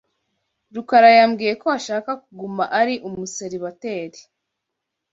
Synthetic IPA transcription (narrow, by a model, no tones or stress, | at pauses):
ɾukaɾajamɡiːje̞koaʃaːkakuɡumaʔaɾiʔummuseɾiβate̞ːɾi